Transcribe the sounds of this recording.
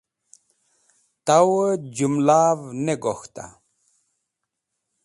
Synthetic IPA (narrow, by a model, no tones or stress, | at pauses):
t̪awd͡ʑumlaːvneɡoxt̪a̰